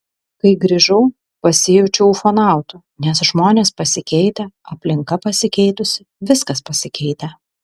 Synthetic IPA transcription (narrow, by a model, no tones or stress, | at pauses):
kɐɪɡɾʲiʒɐʊ | pɐsʲɪjuːt͡ʃʲɛʊfɐnɑˑʊt̪u | nʲɛsʒmoːnʲeːspɐsʲɪkʲɛɪt̪ʲɛɐpʲlʲɪŋkɐpɐsʲɪkʲɛɪt̪ʊsʲɪ | ʋʲɪskɐspɐsʲɪkʲɛɪt̪ʲɛ